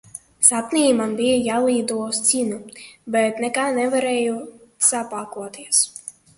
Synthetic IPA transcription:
sapnʲiːmanbijajaːlˠiːd̪uɔst̪sinubɛt̪nɛkanɛvaɾɛjusapakuɔt̪iɛs

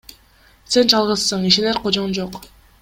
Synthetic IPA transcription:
se̞nd͡ʒɑlˠʁɯzːɯɴiʃeneɾqʰod͡ʒond͡ʒoq

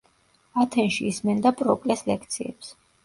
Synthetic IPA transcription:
at̪ʰɛnʃḭismɛnd̪apʼɾɔkʼlɛslɛkʰt̪sʰiɛps

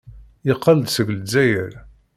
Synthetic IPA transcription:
ɪqːəld̪səɡld͡zæjəɾ

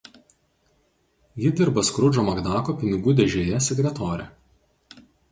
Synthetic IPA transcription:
jɪd̪ʲɪɾbɐskɾʊd͡ʒoːmɐɡd̪ɑːkoːpʲɪnʲɪɡuːd̪ʲɛʒʲoːjɛsʲɛɡʲɾʲɛt̪ɔːɾʲɛ̰

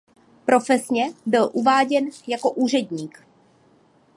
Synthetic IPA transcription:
pɾo̞fɛsɲɛbɪlʔuvaːɟɛnjako̞ʔuːr̝ɛdɲiːk

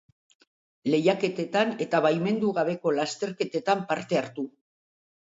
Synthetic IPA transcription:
le̞jake̞t̪e̞t̪ane̞t̪aβajme̞nd̪uɣaβe̞ko̞last̪e̞ɾke̞t̪e̞t̪ampaɾt̪e̞aɾt̪u

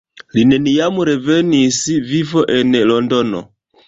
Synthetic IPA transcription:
linenijamuɾevenisivivoʔenlondono̰

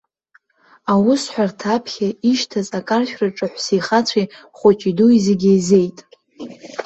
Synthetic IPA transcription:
awʊsħʷᶣartʰapʰχʲaiʃtʰazʼakʼarʃᶣraʈ͡ʂʼɨħʷsijχat͡sʷʰi | χʷʊt͡ʃʼiduizeɡʲejze̞jtʼ

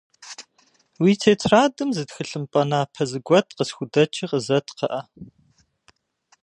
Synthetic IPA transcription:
wiːtʰeːtʰraːdɨmzɨtxɨɬɨmpʼɐnaːpʰɐzɨɡʷɔtʰqəsxʷʊdɐt͡ʃʰʼiqəzɐtʰqɐ̰ʔɐ

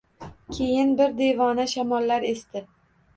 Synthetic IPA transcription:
kʲʰe̞jɪnbɪɾd̪e̞vɒnaʃamɒlːaɾe̞st̪ɪ

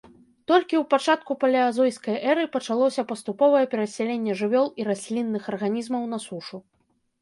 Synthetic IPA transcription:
t̪ɔlʲkʲiwpat͡ʂat̪̚kupɐlʲiazɔjskɐjʔɛɾɨpɐt͡ʂalˠɔsʲɐpɐst̪upɔvɐjɛpʲɛɾɐsʲalʲenʲːɛʐɨvʲɔlˠiɾasʲlʲinːɨxɐrɣanʲizmɐwn̪ɐsuʂu

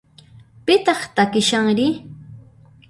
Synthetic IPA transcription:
pɪt̪ɑχt̪akɪʃaŋɾɪ

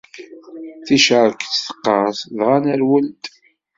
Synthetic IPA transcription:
θiʃəɾˤkt͡sːθə̥qːɑsðʁanæɾwəlt̪

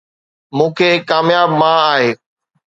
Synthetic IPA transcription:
mũːkʰeːkaːmjaːbmãaːɦeː

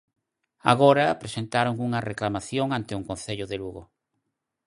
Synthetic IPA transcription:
a̰ɣoɾapɾesent̪aɾoŋuŋɐreklamaθjoŋant̪ɪuŋkon̟θeʎʊðeluɣʊ

